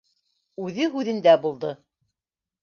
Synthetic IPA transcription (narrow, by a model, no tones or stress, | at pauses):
ʉðɘɦʉðɘ̆nd̪æbulˠd̪ɤ